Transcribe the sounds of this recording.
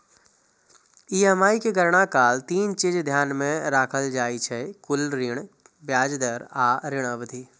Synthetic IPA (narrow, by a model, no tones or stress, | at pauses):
iːəmaːikeɡəɾɽ̃akaːlt̪iːnt͡ʃid͡ʒd̪ʱjaːnmẽɾaːkʰəld͡ʒaːit͡ʃʰɛkʊlɾɪɽ | bjaːd͡ʒd̪əɾaːɾɪɽ̃abəd̪ʱiː